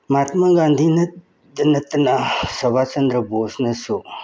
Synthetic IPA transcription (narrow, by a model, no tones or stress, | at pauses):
maːt̪maɡãnd̪ʱinɐ | d̪nɐt̪nasɐʋat͡ʃənd̪ɾəboːsnɐso